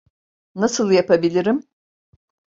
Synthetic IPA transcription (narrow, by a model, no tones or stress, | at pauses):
nasɯlˠjapʰabilʲiɾim